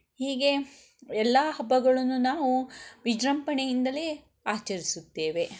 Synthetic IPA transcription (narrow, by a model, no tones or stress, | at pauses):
hiːɡe̞ | ɛlːaːɦɐbːɐɡɐɭɐnːunaːʋuʋid͡ʒɾɐmpɐɳejind̪ɐleː | aːt͡ʃɐɾisut̪ːe̞ːʋe̞